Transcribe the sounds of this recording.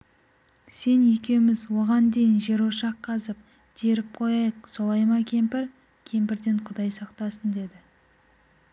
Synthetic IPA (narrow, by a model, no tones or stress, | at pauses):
se̞nekʲe̞wɪmɪzwo̞ʁɑnd̪e̞jɪnʒe̞ɾwoʃɑqʰːɑzəp̚ | t̪ʰe̞ɾɪp̚qʰo̞jɑjəqso̞lˠɑjmɑkʲʰe̞mpɪɾ | kʲʰe̞mpɪɾd̪e̞ɴqʰʊd̪ɑjsɑqt̪ɑsənd̪e̞d̪ɪ